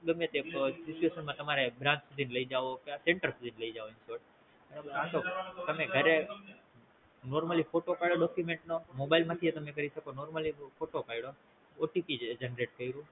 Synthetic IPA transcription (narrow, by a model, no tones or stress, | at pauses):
ɡəmjət̪esit͡ʃueʃənmãt̪əmaɾebɾãnt͡ʃkuzinləid͡ʒaʋokaseɳʈəɾkuzinləid͡ʒaʋoinsoʈ | ənəaʃot̪əmeɡʱəɾe | noɾməlifoʈopaiɽoɖɔkjumeɳʈnomobailmãt̪ʰiet̪əmẽkəɾiʃəkonoɾməlifoʈopaiɽo | oʈipid͡ʒenɾeʈkəiɾũ